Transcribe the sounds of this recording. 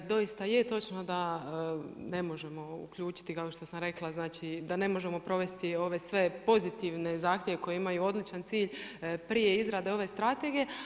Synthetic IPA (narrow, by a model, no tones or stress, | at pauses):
d̪o̞jist̪ajet̪o̞t͡ʃno̞d̪a | ne̞mo̞ʒemo̞ṵkʎuːt͡ʃi̥t̪ikao̞ʃt̪o̞samɾe̞klˠaznaːt͡ʃid̪ane̞mo̞ʒe̞mo̞pɾo̞ʋe̞st̪io̞ʋe̞sʋe̞po̞zit̪iʋne̞zaːxt̪je̞ʋe̞ko̞jeimajuo̞d̪lit͡ʃant̪siːʎpɾije̞izɾad̪eo̞ʋe̞st̪ɾat̪e̞ɡije̞